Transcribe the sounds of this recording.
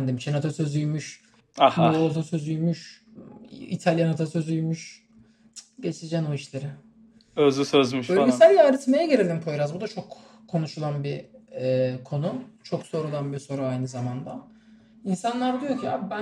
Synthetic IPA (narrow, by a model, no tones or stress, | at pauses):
nd̪imiʃʰenat̪ʰasø̞zyjmyʃ | ahmot̪ʰasøzyjmyʃ | ḭt̪ʰalʲjanat̪ʰasø̞zyjmyʃ | ɟe̞t͡ʃʰid͡ʒænoiʃlʲeɾɪ | øzysøzmyʃbølɡisælʲjaːɾit̪mejɛɟeɾelʲimpʰojɾazbud̪at͡ʃʰo̞kʰː | o̞nuʃulˠanbiɛːkʰo̞nut͡ʃʰo̞kso̞ɾulˠanbiso̞ɾuajnɯzamand̪a | insanlˠaɾd̪yjocʰia̰bbæ